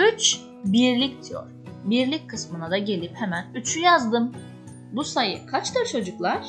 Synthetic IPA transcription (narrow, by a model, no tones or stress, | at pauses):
yt͡ʃ | biɾlʲicd̪ijo̰ɾ̥biɾlʲic̚ʲkʰːɯsmɯnad̪aɟe̞lʲiphemænyt͡ʃʰyjazd̪ɯm | busajɯ̰kʰat͡ʃt̪at͡ʃʰo̞d͡ʒuklˠaɾ̥